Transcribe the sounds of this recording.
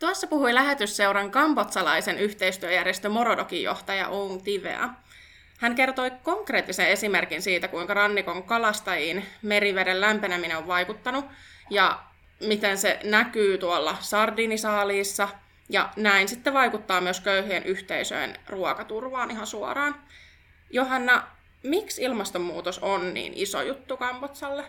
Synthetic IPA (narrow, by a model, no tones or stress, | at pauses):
t̪uɑsːɑpuhuilæɦet̪ysseuɾɑŋkɑmpot̪sɑlɑisenyht̪eist̪yøjærjest̪ømo̞ɾodokijo̰ht̪ɑjɑ̰ʔoŋt̪iʋḛɑ̰ | hæŋke̞rt̪o̞jko̞ŋkreːt̪ːisene̞simerkinsiːt̪ækuiŋkɑrɑnːiko̞ŋkɑlɑst̪ɑjinmeɾiʋedelːæmpenæmineoʋʋɑjkut̪ːɑnujɑ | mit̪ensḛnækyːt̪uolːɑsɑrdiːnisɑːliːsːɑ | jɑ̰næinsit̪ːeʋɑikut̪ːɑːmyøskøyhyenʔyht̪eisø̰inruɔkɑt̪urʋɑːnʔiɦɑnsuɑ̰rɑːn | joɦɑnːɑ | miksilmɑst̪ommuːt̪osonnḭːnʔiso̰jut̪ːukɑmpot̪sɑlːe